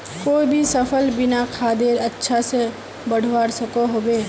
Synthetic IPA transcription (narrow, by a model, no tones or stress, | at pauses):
koːibʱisɐpʰəlbɪnakʰaːd̪eɾɐtːʃʰase | bɐɽ̤ʱʋaːɾsɐkoɦoːbeː